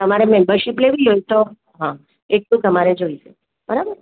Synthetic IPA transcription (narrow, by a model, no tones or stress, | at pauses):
t̪əmaɾemembəɾʃipleʋiɦojt̪o | ɦã | eʈlũt̪əmaɾed͡ʒoiʃe | b̥əɾabəɾ